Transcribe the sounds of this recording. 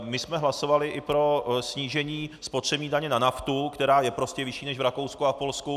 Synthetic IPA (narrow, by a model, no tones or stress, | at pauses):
mɪsmɛɦlaso̞valɪʔɪpɾo̞sɲiːʒɛɲiːspot̪r̥ɛbɲiːdaɲɛnanaft̪ukt̪ɛɾaːjɛpɾo̞scɛvɪʃiːnɛʒvɾako̞wskuafpo̞lsku